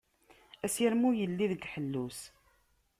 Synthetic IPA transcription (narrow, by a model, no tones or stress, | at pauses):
æsəɾmujəlːiðəɡħəlːus